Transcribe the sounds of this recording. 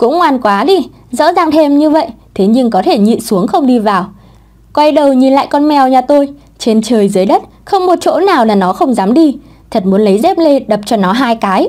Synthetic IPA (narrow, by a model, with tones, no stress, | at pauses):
kʊ̰˧˥ŋ͡mŋwaː˨˩nkwaː˨˦ɗi˧˩ | zɔ̰˧˥zaː˨˩ŋt̪ʰe˧mɲɨ˧və̰˧˨jʔ | t̪ʰe˨˦ɲɨ˧ŋkɔ˨˦t̪ʰe˧˩ɲḭ˧˨su˨˦əŋxə˧wŋ͡mɗi˧vaː˨˩w | kwa˧jɗə˧˩wɲi˨˩nla̰ː˧˨jkɔ˧nmɛ˨˩wɲaː˨˩t̪o˧j | t͡ɕe˧nt͡ɕəː˨˩jzɨ˨˦jɗə˦˥t̚ | xə˧wŋ͡mmo˨˩t̚t͡ɕo̰˧˥naː˨˩wlaː˨˩nɔ˨˦xə˧wŋ͡mzaː˨˦mɗi˧ | t̪ʰə˨˩t̚mu˨˦ənlə˨˦jzɛ˦˥p̚le˧ɗə˨˩p̚t͡ɕɔ˧nɔ˨˦ɦaː˧jkaː˨˦j